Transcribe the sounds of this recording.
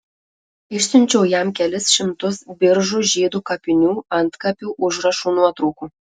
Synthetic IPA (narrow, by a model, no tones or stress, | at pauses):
ɪʃsʲɪnʲt͡ʃʲɛwjɛmkʲælʲɪsʃʲɪmt̪ʊsbʲɪɾʒuʒʲiːd̪uːkɑpʲɪnʲuːɐnt̪kɑpʲuʔʊʒrɐʃunuɐt̪ɾuːku